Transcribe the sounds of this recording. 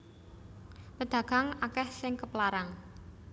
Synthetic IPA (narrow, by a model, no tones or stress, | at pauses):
pəd̪̥ä̤ɡ̥a̤ŋakɛhsɪŋkəplaɾaŋ